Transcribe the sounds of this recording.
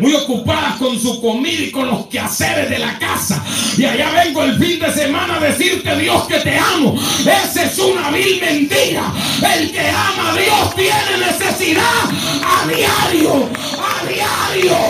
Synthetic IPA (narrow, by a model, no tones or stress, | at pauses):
mujo̞kupaðasko̞nsuko̞miðaiko̞nlo̞skeaseɾezðe̞lakasaiaʝaβe̞ŋɡoelfind̪e̞se̞mãnaaðe̞siɾt̪e̞ðjo̞ske̞t̪e̞amoesesunaβilmẽ̞nt̪iɾa̰e̞lkeamaðjo̞st̪jene̞ne̞sesiða | aðjaɾjo | aðjaɾjo